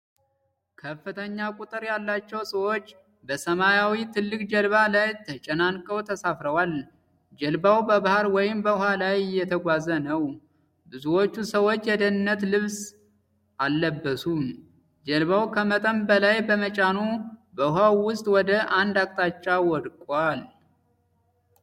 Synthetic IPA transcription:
kʰəfːɨt̪ʰəɲːakʼut̪ʼɨɾjalːat͡ʃːɛwsəwo̞t͡ʃː | bəsəmajawit̪ʰɨlːɨkʼd͡ʒəlβalajt̪ʰət͡ʃʼɛnankʼəwt̪ʰəsafɾəwal | d͡ʒɛlbawbəbahaɾwɔjɪmbəʊɦalajɪjːɛt̪ʰəɡʷazənəw | bɨzuwo̞t͡ʃːusəwo̞t͡ʃːjɛd̪ənɨnːət̪lɨβs | ʔalːəbːəsum | d͡ʒɛlβawkʰəmət̪ʼəmbəlajbəmət͡ʃʼanubəɦawwʊst̪ʼwɔd̪əʔand̪ak̚ʼt̪ʼat͡ʃːawɔd̪kʼal

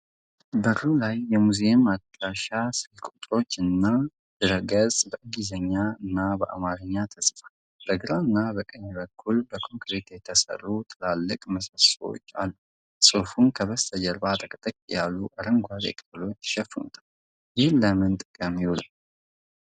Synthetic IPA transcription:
bəɾulajːɛmuzemat̪ːəʃaʃasɨlkʼut̪ʼɾo̞t͡ʃːɨnːa | d̪̥ɨɾəɡəzʼbəʔɨɡizəɲːaɨnːabəʔa̰maɾəɲːat̪ʰəsfḁ | b̥əɡɨɾaɨnːabəkʼəɲːɛβəkʰːulbəkʰo̞ŋkɾet̪jɛt̪ʰəsə̰rːut̪ʰɨlalːɨkʼməsaswo̰t͡ʃːa̰lːu | sʼofunkʰəβəst̪ʰəd͡ʒəɾbat̪ʼəkʼət̪ʼəkʼːijalːuʔaɾəŋɡʷazḛkʼəblo̞t͡ʃːʃɛfnṵt̪ʰḁl | jɪhləmɨnt̪ʼɨkʼəmjɪwula̰l

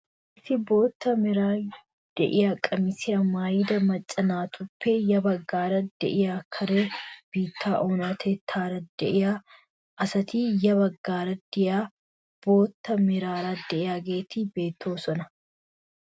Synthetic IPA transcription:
ʔɪsɪbo̞ːt̪ːɐmɪɾaː | d̪̥ɛ̰ʔɪjaːkʼɐmɪsɪɐmaːjd̪ɐmɐt͡ʃʼːɐnaːt̪ʰʊpʰːejɐbɐɡːaːɾɐd̪̥ɛ̰ʔɪjaːkʰɐɾeːb̥iːt̪ːaːʔoːnaːt̪ʰet̪ʰaːɾɐd̪ɛʔɪjaː | ʔɐsɐt̪iːjɐbɐɡːaːɾɐd̪ɪjaː | b̥o̞ːt̪ːɐmɪɾaːɾaːd̪ɛʔɪjaːɡeːt̪iːbe̞ːt̪ʰːoːsɔnɐ

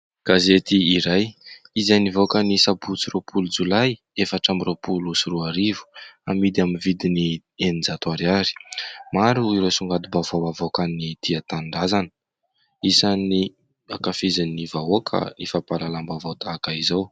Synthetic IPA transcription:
ɡ̥azet̪iːɾaj | izajnivokənisabut͡siropʰulud͡zulaj | efaʈ͡ʂamiropulusuruaɾivu̥amid̪aminvid̪ini | enind͡zat̪aɾiaɾi̥maɾuiɾosuŋɡad̪ubavawavokanid̪̥iat̪aɳɖ͡ʐazanə̥ | isani | akafizinivaokʰa̰nifapalalambavawt̪aːkaizaw

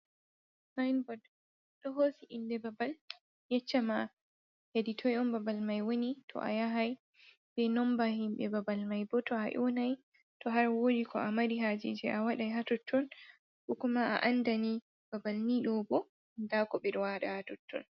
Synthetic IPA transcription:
sajnbɔd | ɗɔɦosiʔindɛbabal | jɛt͡ʃːama | jaditʰɔjɔmbabalmajwonitʰɔ̰ʔa̰jaɦaj | bɛnɔmbahimɓɛbabalmajbɔtɔaʔɔ̰naj | tɔɦaɾwodikʰɔ̰ʔamaɾiɦad͡ʒḭd͡ʒɛʔawaɗajɦatɔtʰːɔn | bukumaʔa̰ʔandani | b̥abalniɗɔbɔ | ndakɔbɛɗɔwaɗahatɔtʰːɔ̰n

